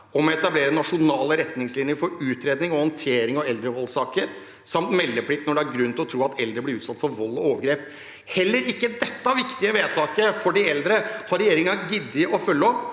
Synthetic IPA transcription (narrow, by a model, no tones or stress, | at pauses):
ɔmɔɛt̪ɑbleːɾənɑʂʊnɑːləɾɛt̪nɪŋslɪnjəɾfɔɾʉːt̪ɾeːd̪nɪŋɔhɔnt̪ʰeːɾɪŋɔɛld̪ɾəʋɔlːsɑːkəɾ | sɑmt̪mɛlːəpʰɽɪk̚t̪nɔɖɛæɾɡɾʉnːɪlɔt̪ʰɾuːɑt̪ʰɛld̪ɾəblɪɾʉːt̪sɑt̪ːfɔɾʋɔlːɔoːʋəɾɡɾeːp | hɛlːəɾɪkːəd̪ɛt̪ːəɑʋɪkt̪ɪəʋeːt̪ʰɑːkəfɔɖɪɛld̪ɾəhɑɾɛjeːɾɪŋɑɡɪd̪ːɪəʔɔfœlːəɔpː